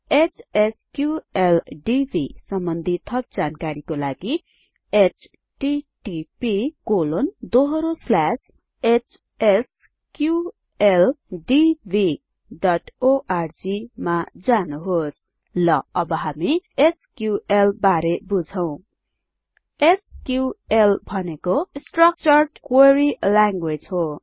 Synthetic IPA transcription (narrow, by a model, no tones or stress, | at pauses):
et͡sʰeskjuelɖibʱisʌmbʌnd̪ʱit̪ʰʌp̚d͡zankaɾikolaɡi | et͡sʰ | ʈiʈipikolond̪oɦʌɾoslas | et͡s | es | kju | elɖibʱi | ɖʌʈoʔard͡zimad͡zanuɦos | lʌʌbʌɦamieskjuelbaɾebud͡zʱʌw̃ | eskjuelbʱʌnekosʈrʌk̚t͡sʌrʈkweɾilaŋɡwed͡zɦo